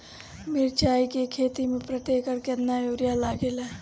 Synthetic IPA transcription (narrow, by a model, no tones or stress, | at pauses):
meɾt͡ʃaːikekʰeːt̪imẽpɾət̪eːkəɾkeənːajoːɾjalaːɡelɛː